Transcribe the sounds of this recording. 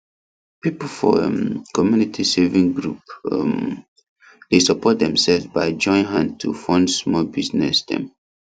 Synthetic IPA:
pipl̩fɔ̰kɔmjunitʰisevĩŋɡɹup̚ | desɔpɔt̚dɛ̃msɛlvzbaɪd͡ʒɔ̃ɪ̃nɦãn̚tʰufɔ̃ndsmɔlbiznɛ̰sdɛ̰̃m

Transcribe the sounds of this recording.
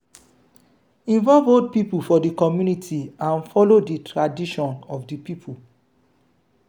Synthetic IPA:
ĩnvɔlvold̚pipufɔdikɔmjunitʰiãnfɔloditʰɹadiʃɔ̃nɔfdipipʰul

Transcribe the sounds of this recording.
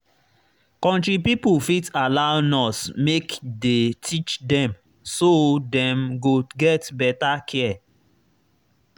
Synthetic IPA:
kɔ̃ntɹipipufitalaʊnɔsmekdetʰit͡ʃdɛ̃m | sodɛ̃mɡoɡɛtbɛtakʰɛ

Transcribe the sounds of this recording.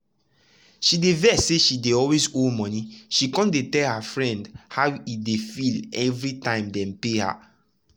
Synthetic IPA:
ʃidevɛseʃideɔlwezomɔ̃niʃikɔ̃ndetɛlhafɹɛ̃ndhawidefilɛvɹitãɪ̃mdɛ̃npeha̰

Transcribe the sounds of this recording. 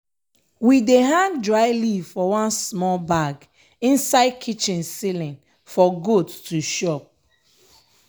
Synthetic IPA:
wideɦãŋdɹaɪlivfɔwãnsmɔlbaɡ | ĩnsaɪkʰit͡ʃĩnsilĩn | fɔɡottuʃɔp̚

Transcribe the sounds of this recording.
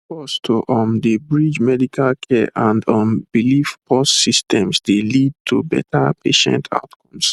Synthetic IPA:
pɔstʰoʔɔ̃ndəbɹid͡ʒmɛdikʰalkʰɛʔãndɔ̃nbilifpʰɔstsistɛ̃msdelid̚tʰubɛ̰tʰapʰeʃɛ̰̃ntʰa̰ʊtkʰɔ̃ms

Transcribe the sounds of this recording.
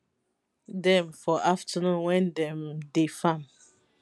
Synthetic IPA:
dɛ̃mfɔʔaftʰənũnwɛ̃ndɛ̃mdefãm

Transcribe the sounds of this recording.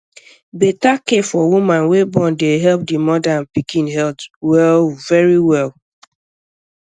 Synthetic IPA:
betakefɔwumãnwebɔ̃ndeɦɛlp̚dimɔdanpikĩnɦɛltwɛlvɛɹiwɛl

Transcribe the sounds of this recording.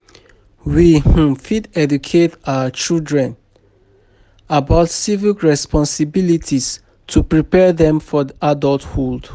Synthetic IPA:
wih̩fidɛdukʰetawət͡ʃildɹɛ̃n | abaʊtsivilɹɛspɔ̃nsibilitʰis | tʰupɹipɛðɛ̃mfɔðiʔadɔlthold̥

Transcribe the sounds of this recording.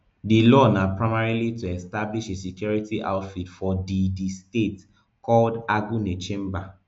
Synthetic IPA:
dilɔnapɹaɪmaɹilituɛstabliʃesikjɔɹitiʔa̰ʊtfitfɔdidistet | kɔldaɡunet͡ʃẽmba

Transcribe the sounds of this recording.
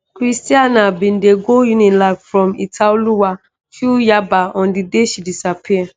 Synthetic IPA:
kɹistianabĩndeɡojunɔ̃nlaffɹɔ̃mitʰauluwa | ʃujabaʔɔ̃ndideʃidisapʰi

